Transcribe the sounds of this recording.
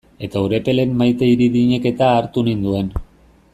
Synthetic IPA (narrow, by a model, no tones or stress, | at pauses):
e̞t̪auɾe̞pe̞le̞mmajt̪eiɾiðiɲe̞ke̞t̪aːɾt̪unind̪ue̞n